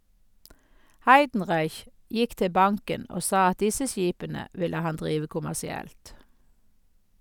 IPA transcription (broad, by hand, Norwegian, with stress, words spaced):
ˈhɑɪdn̩ˌʁɑɪç ˈjɪk ˈtɪ ˈbɑŋkən ˈoː ˈsɑː ˈɑt ˈdɪsə ˈsjiːpənə ˈʋɪlə ˈhɑn ˈdʁiːʋə kʊmæsɪˈɛlt